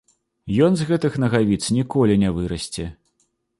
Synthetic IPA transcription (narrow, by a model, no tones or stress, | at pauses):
jɔnzɣɛt̪ɨxnɐɣavʲit̪snʲikɔlʲinʲavɨɾɐsʲt͡sʲɛ